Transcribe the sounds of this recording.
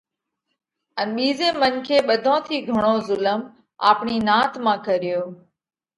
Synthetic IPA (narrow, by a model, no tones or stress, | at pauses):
ənɓiːzeːmənkʰeːɓəd̪ʱõːt̪ʰiːɡʱəɽ̃oːzʊləm | a̰ːpɳiːnãːt̪mãːkəɾɪjoː